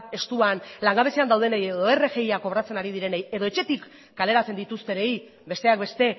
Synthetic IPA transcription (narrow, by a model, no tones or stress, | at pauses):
e̞st̪uanlaŋɡaβe̞se̞and̪awð̞enejeðo̞e̞re̞ʝe̞jako̞βɾat͡se̞naɾið̞iɾe̞nejeðo̞e̞t͡ʃe̞t̪ikː | ale̞ɾat͡se̞nd̪it̪ust̪e̞nej | be̞st̪e̞ak̚be̞st̪e̞